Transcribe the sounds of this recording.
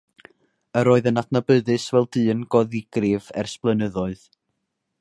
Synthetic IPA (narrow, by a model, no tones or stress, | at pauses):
əɾoːɨðənadnabəðɨsvɛlˠdɨːnɡ̥ɔðɪɡ̥rɪvɛ̰rsplˠənəðɔɨð